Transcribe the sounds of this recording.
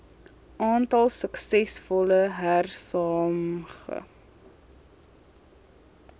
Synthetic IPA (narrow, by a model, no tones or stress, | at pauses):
ʔɑːntɐlˠsəksɛsfɔləɦærsɑːmχə̰